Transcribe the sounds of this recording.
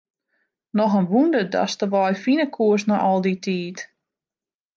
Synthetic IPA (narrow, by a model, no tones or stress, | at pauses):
nɔxənʋundəda̰stəʋɔjfinəkʰuəsnɔʔɔlˠditʰiːt